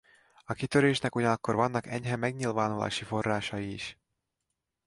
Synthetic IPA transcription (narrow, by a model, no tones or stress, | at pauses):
ɒkit̪ø̞ɾeːʃnɛkuɟɒnɒkːo̞rvɒnːɒkɛɲɦɛmɛɡɲilvaːnula̰ːʃifo̞rːaːʃɒjiːʃ